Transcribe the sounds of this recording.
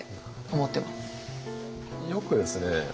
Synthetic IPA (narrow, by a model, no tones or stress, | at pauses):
omot̪ːe̞mas | jo̞kɯ̟d̪e̞sɨne